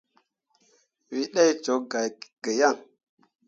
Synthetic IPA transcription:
wi˦ɗa˦jt͡ʃo˨˦ɡa˨jɡ̥ə˨ja˦˨ŋ

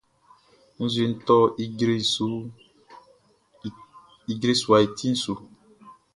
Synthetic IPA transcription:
n̩˦zi˨n̩˨˦tɔ˦i˦ɡɾi˦su˨˦ | i˨ɡɾe˦su˨a˨i˨ti˦n̩˦su˨

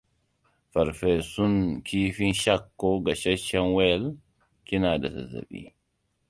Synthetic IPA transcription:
fa˨ɾfɛ˨su˦nkʰiː˦fi˦nʃa˦kːɔɡa˨ʃɛ˦ʃɛ˦nwɛ˦l | ki˦na˨da̰˨za̰˨za̰˨ɓḭ˦

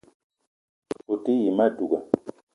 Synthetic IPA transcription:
fo˨ti˦ji˨ma˦du˨ɡa˨

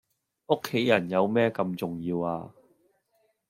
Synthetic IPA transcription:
ʔʊ˥kʰːe˨˥jɐ˨˩njɐ˨˧wmɛː˥kɐ˧mt͡sʊ˨ŋjiː˧waː˧

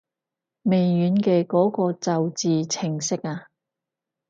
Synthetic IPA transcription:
me˨jːyː˨˧˥nkɛː˧kɔː˨˥kɔː˧t͡sɐ˨wt͡siː˨t͡sʰɪ˨˩ŋsɪ˥k̚aː˧

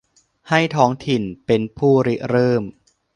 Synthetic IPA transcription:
ha˥˩jt̪ʰɔː˦˥ŋt̪ʰi˨˩npe˧npʰuː˥˩ɾi˦˥ʔɾɤː˥˩m

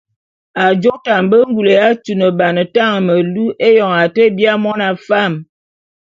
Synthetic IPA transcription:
a˨d͡ʒo˦ta˨m˨bə˦ŋ˦ɡu˨le˨ja˦tu˨nə˨ba˨nə˨ta˦˨ŋ˨mə˨lu˦ʔe˦jɔ˨ŋa˨tə˦bja˦mɔ˦na˨fa˦˨m

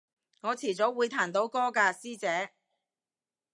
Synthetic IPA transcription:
ŋɔː˨˧t͡sʰiː˨˩t͡so˨˥wwuː˨˧jt̪ʰaː˨˩nt̪o˨˥wkɔː˥kaː˧siː˥t͡sɛː˨˥

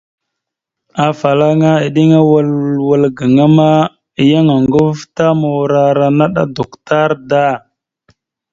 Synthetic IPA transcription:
a˨fa˨la˦ŋa˦i˨ɗi˦ŋa˦wa˦lwə˨lɡə˨ŋa˦ma˦ | i˨ja˦ŋa˨ŋɡu˦vta˦ma˨wɾa˦ɾa˨na˦ɗa̰˦do˨kta˦ɾda˦˨

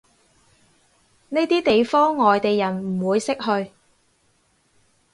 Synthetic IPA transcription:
ne˥jt̪iː˥t̪e˨jfɔː˥ŋːɔː˨jt̪e˨jːɐ˨˩nm̩˨˩wuː˨˧jsɪ˥k̚ɦɵ˧ɥ

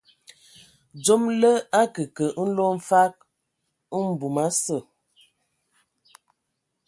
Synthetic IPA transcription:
d͡ʒo˦mlə˦a˦kə˨kə˨n̩˦lo˦ɱ̩˦fa˦k̩̚˦ | m̩˨bu˨ma˦sə˦˨

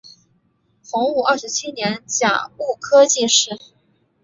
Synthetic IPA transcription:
xʊ˧˥ŋu˥˩ɐ˞˥˩ʂɻ̩˧˥t͡ɕʰi˥njɛ˧˥nt͡ɕja̰˨˩u˥˩kʰɤ˥t͡ɕi˥˧ʂɻ̩˥˩

